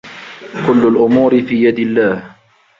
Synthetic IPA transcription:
kʊlːalʔʊmuːɾɪfiːjad̪ɪlːaːh

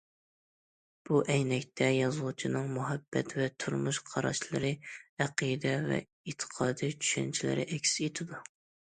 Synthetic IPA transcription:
b̥uʔɛjnɛkʲt̪ʰɛjɑzɨlˠut͡ʃʰinɨŋmuɦɛbːɛt̪vɛt̪ʰuɾmuʃqʰɑɾɑ̰ʃlˠɨɾɨæqijd̪ɛvɛ̰ | et̪ʰə̥qʰɑːd̪ɨt͡ʃʰy̥ʃɛ̰nt͡ʃʰilɪ̰ɾɪ̰ʔɛkʲset̪ʰɪd̪u

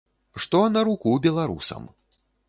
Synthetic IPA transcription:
ʂt̪ɔnɐɾukubʲɛlˠaɾṵsɐ̰m

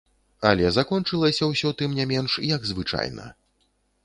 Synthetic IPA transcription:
ɐlʲɛzakɔnt͡ʂɨlˠɐsʲɐwsʲɔwt̪ɨmnʲamʲɛnʂjɐɡzvɨt͡ʂa̰jnɐ̰

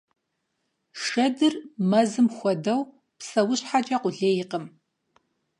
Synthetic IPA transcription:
ʂɐdɨrmɐzɨmxʷɔdɐw | psɐwɕħat͡ʃʼɐqʷʊɮeːjɪqəm

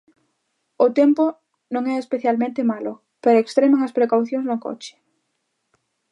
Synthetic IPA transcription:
ʊt̪ɛmpʊ | nõŋɛespeθjalmẽnt̪emalʊ | peɾoekst̪ɾemaŋɐspɾekawθjoŋznʊko̰t͡ʃɪ̥

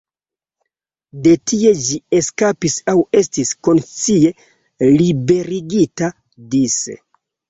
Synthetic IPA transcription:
de̞tie̞d͡ʒie̞skapisawe̞stisko̞nt͡sie̞ | libe̞ɾiɡita | disḛ

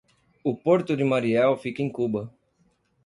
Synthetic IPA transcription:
ʊpoɾt̪ʊd̪ɪmaɾiɛwfikẽj̃kubɐ

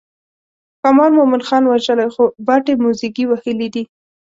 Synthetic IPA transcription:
kamɑlmomɪnxɑnwaʒəlajxobaʈemusikiwahəlid̪i

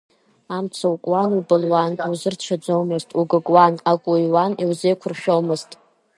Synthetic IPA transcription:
amt͡sʰawkʷʼwanubɨlwanawzɨrt͡ʃʷʰad͡zowmɨztʼuɡɨɡʼwanakʷʼujwaniwzejkʷʰʊrʃᶣowmɨztʼ

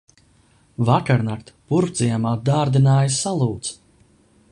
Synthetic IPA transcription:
vakaɾnakt̪puɾpt̪zijamaːd̪aːɾd̪inaːjsalˠuːt̪s

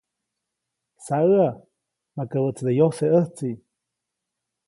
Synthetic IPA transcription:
saəa | makəbət͡sd̪ejoseəht͡si

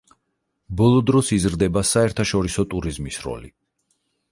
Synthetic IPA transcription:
bɔlˠɔd̪ɾɔsizɾd̪ɛbasaɛɾt̪ʰaʃɔɾisɔt̪ʼuɾizmisɾɔ̰li

